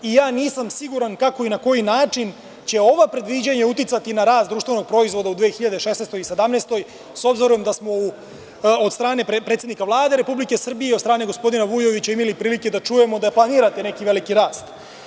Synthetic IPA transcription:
ijaːniːsamsiɡuɾankako̞inako̞jinaːt͡ʂin | t͡ɕe̞o̞ʋapɾe̞d̪ʋid͡ʑaɲeut̪it̪sat̪inaɾaːst̪d̪ɾuːʃt̪ve̞no̞ɡ̚pɾo̞izʋo̞d̪aud̪ʋeːxiʎad̪eʃesnest̪o̞jise̞d̪amneːst̪o̞j | so̞bziɾuojemd̪asmo̞u | od̪st̪ɾaːne̞ppɾet̪sʲed̪nikaʋlˠaːd̪e̞ɾe̞publike̞sr̩bijed̪st̪ɾaːne̞ɡospo̞d̪inaʋujo̞ʋit͡ɕaimalipɾiːlike̞d̪at͡ʃuje̞mod̪aplˠaniːɾat̪ene̞kiʋe̞likiɾaːst̪

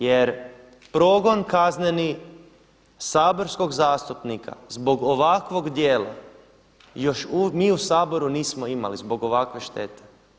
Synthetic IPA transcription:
jeɾ | pɾo̞ɡo̞nkazneni | saːbo̞ɾsko̞ɡzaːst̪upnikʰa̰zbo̞ɡoʋakʋo̞ɡd̪jeːla̰ | jo̞ʃumiːusaːbo̞ɾuniːsmoima̰lizbo̞ɡo̞ʋakʋe̞ʃt̪e̞t̪e̥

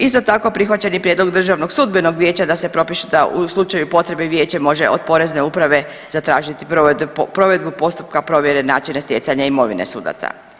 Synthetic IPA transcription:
ist̪o̞t̪ako̞pɾixʋat͡ɕe̞nipɾjed̪lˠoɡd̪r̩ʒaʋno̞ɡsud̪beno̞ɡʋje̞ːt͡ɕad̪ase̞pɾo̞piʃud̪auslˠut͡ʃajupo̞t̪ɾe̞beʋje̞ːt͡ɕamo̞ʒe̞ʔo̰d̪̚po̞ɾe̞zne̞upɾaʋe̞ | z̥at̪ɾaːʒit̪i̥pɾo̞ʋe̞d̪̚bupo̞st̪up̚kapɾo̞ʋje̞ɾenaːt͡ʃinest̪ʲje̞t̪saɲaimo̞ʋḭne̞̰sṵːd̪a̰t̪sa̰

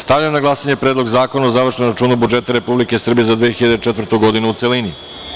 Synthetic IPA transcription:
st̪aʋʎamnaɡlˠasaɲe̞pɾed̪lˠoɡzaːko̞naozaʋr̩ʃnomɾat͡ʃuːnabud͡ʒe̞t̪aɾe̞publike̞sr̩bije̞zad̪ʋijːexiʎad̪et͡ʃet̪vɾrt̪uɡo̞d̪inuut̪se̞lini

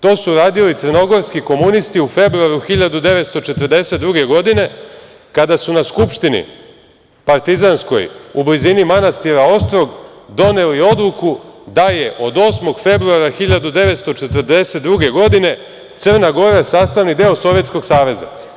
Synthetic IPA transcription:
t̪o̞ːsuɾaːd̪ilit̪sərno̞ɡo̞ɾskiko̞munist̪iufe̞bɾuaɾuxiʎad̪ud̪e̞ʋe̞t̪st̪o̞t͡ʃe̞t̪ərd̪e̞se̞t̪d̪ɾuɡe̞ɡo̞d̪ine̞ | kad̪asunaskupʃt̪inḭ | paɾt̪izansko̞̰jublizinimanast̪iɾao̞st̪ɾo̞ɡd̪o̞ne̞lio̞d̪lukud̪aje̞ʔo̞d̪o̞smo̞ɡfe̞bɾuaɾaxiʎad̪ud̪e̞ʋet̪st̪o̞t͡ʃet̪ərd̪e̞set̪̚d̪ɾuɡe̞ɡo̞d̪ine̞ | t̪sər̩naɡo̞ɾaesaːst̪aʋnid̪eo̞so̞ʋje̞t̪sko̞ɡsaːʋe̞za̰

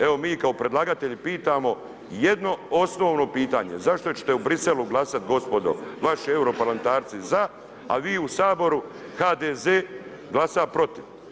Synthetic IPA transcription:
eʋo̞miːkaopɾe̞d̪laɡat̪e̞ʎipiːt̪aːmo̞ | jed̪no̞o̞sno̞ːʋno̞piːt̪aːɲe̞̰zaʃt̪o̞t͡ɕet̪eubɾise̞luɡlˠasat̪ɡo̞spo̞d̪o̞̰ʋaʃie̞wɾo̞paɾlament̪aːɾt̪siza | a̰ʋiːusaːbo̞ɾuxaːd̪ezeː | ɡlˠasapɾo̞t̪iʋ

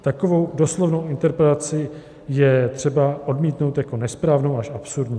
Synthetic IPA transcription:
t̪akovo̞wdo̞slovno̞wʔɪnt̪ɛɾpɾɛt̪at͡sɪ | jɛt̪r̝̥ɛbaʔo̞dmiːt̪no̞wt̪jako̞nɛspɾaːvno̞waʃapsuɾdɲiː

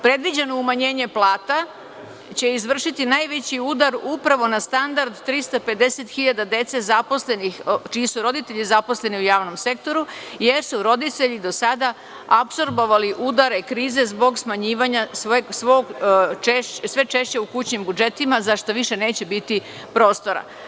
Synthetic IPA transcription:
pɾe̞d̪ʋid͡ʑe̞no̞umaɲeːɲe̞plˠaːt̪a | t͡ɕe̞izʋr̩ʃit̪inajʋet͡ɕiud̪aɾupɾaʋo̞nast̪and̪aɾd̪t̪ɾist̪ope̞d̪e̞set̪xiʎad̪ad̪e̞t̪se̞zapo̞slenixt͡ʃiisuɾo̞d̪it̪e̞ʎizapo̞sle̞niujaːʋno̞mse̞k̚t̪o̞ɾuje̞ɾsuɾo̞d̪it̪e̞ʎid̪o̞sad̪a | apso̞ɾbo̞ʋaliʔud̪aɾe̞kɾiːze̞zbo̞ɡsmaɲiːʋaɲasɡsʋoɡt͡ʃeʃsʋe̞t͡ʃe̞ʃt͡ɕe̞ukut͡ɕɲimbud͡ʒe̞t̪imazaʃt̪o̞ʋiʃe̞ne̞ːt͡ɕe̞bit̪i | pɾo̞ːst̪o̞ɾa̰

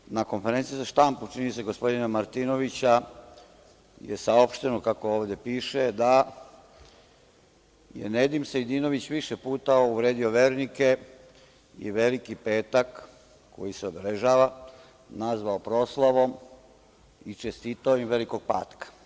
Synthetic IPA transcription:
nako̞nfeɾe̞nt̪sijizaʃt̪amput͡ʃinise̞ɡo̞spo̞d̪inamaɾt̪iːno̞ʋit͡ɕa | jḛsao̞pʃt̪e̞nokako̞oːʋd̪e̞piːʃe̞d̪a | jḛned̪imsejd̪iːno̞ʋit͡ɕʋiʃepuːt̪auʋɾe̞ːd̪io̞ʋe̞ːɾnike̞ | ḭʋe̞likipe̞ːt̪ak | ko̞̰jiseobeleʒaːʋa | nazʋaopɾo̞ːslˠaʋo̞m | it͡ʃest̪iːt̪aojimʋe̞liko̞ɡ̚pa̰ːt̪kḁ

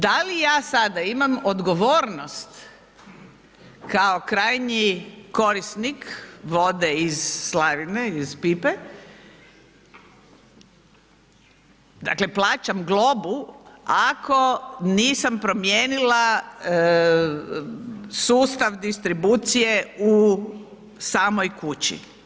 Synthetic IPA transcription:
d̪alijaːsad̪aimamod̪ɡo̞ʋoːɾnost̪ | kaokɾaːjɲiko̞ɾisnikʋo̞d̪eizːlaʋineizpipe | d̪a̰kle̞plˠaːt͡ɕamɡlo̞buakʰo̞niːsampɾo̞mjeːnila | suːst̪aʋd̪ist̪ɾibuːt̪sije̞u | saːmojkut͡ɕḭ

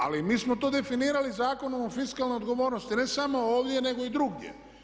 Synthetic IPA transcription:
a̰limiːsmot̪oːd̪e̞finiːɾalizaːko̞nomofiskalˠnojod̪ɡo̞ʋo̞ːɾnost̪ine̞samo̞oːʋd̪je̞ne̞ɡo̞id̪ɾuɡjḛ

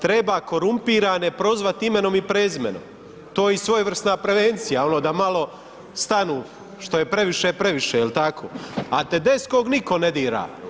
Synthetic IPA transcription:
t̪ɾe̞baːko̞ɾumpiːɾaːnepɾo̞zʋat̪imeno̞mipɾeːzmḛno̰m | t̪oːjisʋo̞jʋr̩st̪naːpɾe̞ʋent̪sijao̞noːd̪amalo̞ | st̪anuː | ʃt̪o̞jepɾe̞ʋiʃepɾe̞ʋiʃeilt̪akʰo̰ːa̰t̪ed̪eskoːɡniko̞ned̪iːɾa̰ː

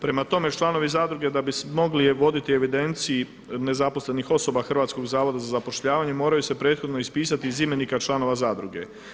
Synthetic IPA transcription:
pɾe̞mat̪o̞me̞t͡ʃlˠaːno̞ʋizaːd̪ɾuɡe̞d̪abismo̞ɡliʋo̞d̪it̪ie̞ʋid̪e̞nt̪sii | ne̞zapo̞sle̞nixo̞so̞baxr̩ʋaːt̪sko̞ɡzaːʋo̞d̪azazapo̞ʃʎaːʋaɲe̞mo̞ːɾajuse̞pɾeːt̪xo̞d̪noispiːsat̪izimjenikat͡ʃlˠaːno̞ʋazaːd̪ɾuɡe̞̰

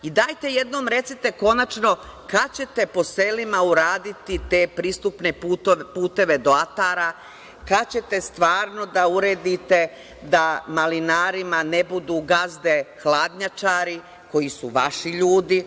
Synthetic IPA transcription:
id̪aːjt̪e̞je̞d̪no̞ːmɾe̞t̪sit̪e̞ko̞nat͡ʃno̞kat͡ɕe̞t̪e̞po̞se̞limauɾaːd̪it̪it̪e̞ːpɾiːst̪upne̞puːt̪e̞ʋe̞d̪o̞at̪aːɾa | kat͡ɕe̞t̪e̞st̪ʋaːɾno̞d̪auɾe̞ːd̪it̪e̞ | d̪amalinaːɾimane̞bud̪uːɡazd̪e̞xlaːd̪ɲat͡ʃaːɾi | ko̞jisuʋaʃiʎuːd̪i

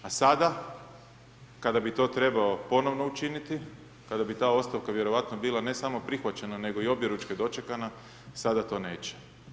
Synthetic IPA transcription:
asad̪a | kad̪abit̪o̞ːt̪ɾe̞bao̞po̞no̞ʋno̞ut͡ʃinit̪i | kad̪abit̪aːo̞st̪aʋkaʋje̞ɾo̞ʋat̪nobiːlˠane̞samo̞pɾixʋat͡ɕe̞nane̞ɡo̞io̞bje̞ɾut͡ʃked̪o̞t͡ʃekana | sad̪at̪o̞ːne̞̰ːt͡ɕe̥

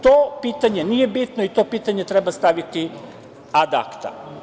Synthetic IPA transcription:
t̪opiːt̪aɲe̞nije̞bit̪noit̪o̞ːpiːt̪aɲe̞t̪ɾe̞bast̪aʋit̪i | ad̪a̰kt̪a̰

